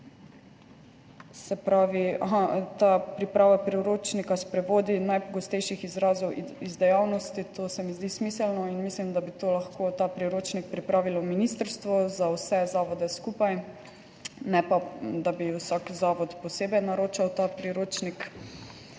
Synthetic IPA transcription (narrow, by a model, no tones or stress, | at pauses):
sɛpɾaːʋiaɦat̪apɾipɾaːʋapɾiuɾoːt͡ʃnikaspɾɛʋoːd̪inajpɔɡɔst̪ɛjʃixizɾaːzɔwizd̪ɛjawnɔst̪it̪ʰoːsɛmizd̪ismiːsɛlnɔinmislimd̪abit̪oːlaxkʰoːt̪aːpɾiɾoːt͡ʃnik̚pɾipɾaːʋilɔminist̪əɾst̪ʋɔzawsɛzaːʋɔd̪ɛskupaj | nɛpad̪abiwsakzaːʋɔt̪pɔseːbɛjnaɾoːt͡ʃawt̪aːpɾiɾoːt͡ʃnik